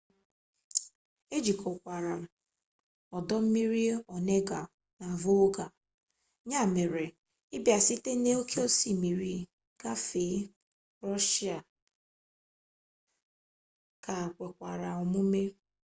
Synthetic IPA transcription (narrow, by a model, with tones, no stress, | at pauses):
e˦d͡ʒi˨ko˨kʷa˨ɾa˨ | ɔ˨dɔ˦m̩˦mi˦ɾi˦ɔ˨ne˦ɡa˨ | na˨vo˦ɡa˨ | ɲa˦˨me˨ɾe˨ | ɪ˦bja˨si˦te˦ne˦o˦kʰe˦o˦si˦˨mi˨ɾi˦ | ɡa˦fe˨˦ | ɾɔ˦ʃi˦a˨ | ka˨kʷe˨kʷa˨ɾa˨ɔ˨mu˦me˦